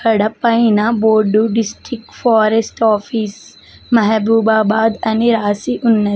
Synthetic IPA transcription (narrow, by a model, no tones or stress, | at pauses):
kɐɽɐpːɐinaboːɖuɖɪsʈɾɪkfɔːɾesʈɔːfiːs | mɐɦbuːbaːbaːd̪ɛnɪɾaːsiʔʊnːə